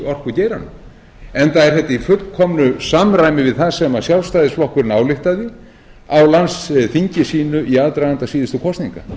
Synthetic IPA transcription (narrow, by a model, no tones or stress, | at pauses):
ɔr̥kvʏcɛːjɾanʏ | ɛnθaɛɾθɛt̪ːaifʏt̪lkʰɔmnʏsamrajmɪvɪðθaðsɛmasjawlst̪aːjðɪsvɔhkʏɾnaːwlɪht̪aðɪ | awlansθiɲcɪsiːnʏʔiaðt̪ɾajðant̪asiːðɪst̪ʏkʰɔst̪niŋka̰